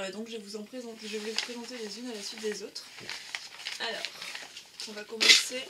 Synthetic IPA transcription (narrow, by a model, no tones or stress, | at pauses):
ad̪ɔ̃kʒəvuzɑ̃pχezɑ̃t̪eʒəvulɛvupχezɑ̃t̪elezynalasɥit̪̚d̪ezot̪χ | alɔ̰ːʁɔ̃vakɔmɑ̃se